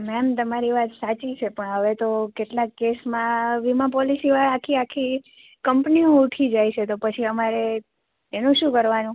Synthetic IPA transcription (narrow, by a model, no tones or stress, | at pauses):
mɛmt̪əmaɾiʋat̪sat͡ʃit͡ʃʰepəɳɦəʋet̪okeʈlakːesmãʋimap̬ɔlisiʋaɾakʰiakʰi | kəmpniõuʈʰid͡ʒajt͡ʃʰet̪opət͡ʃʰiəmaɾe | enũʃũkəɾʋanũ